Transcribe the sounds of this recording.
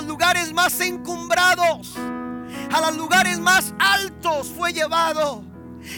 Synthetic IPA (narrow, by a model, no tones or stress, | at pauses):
zluɣaɾezmase̞ŋkumbɾaðos | alozluɣaɾe̞zmasalt̪osfwe̞ʝe̞βaðo